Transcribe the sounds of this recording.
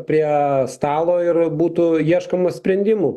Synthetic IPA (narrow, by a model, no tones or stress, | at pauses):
pʲɾʲiɛst̪ɑːlˠoːɪrbuːt̪ʊjiɛʃkɐmɐsʲpʲɾʲɛnʲd̪ʲɪmuː